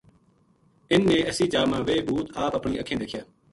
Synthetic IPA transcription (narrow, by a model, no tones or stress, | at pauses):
ɪnːẽːəsiːd͡ʒaːmãːʋeːbʱuːt̪aːpəpɳiːʔəkʰẽːd̪eːkʰɪjaː